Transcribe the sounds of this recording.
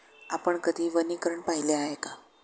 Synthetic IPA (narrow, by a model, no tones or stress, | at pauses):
apəɳkəd̪ʱiːʋənikɾəɳpaɦileaɦeka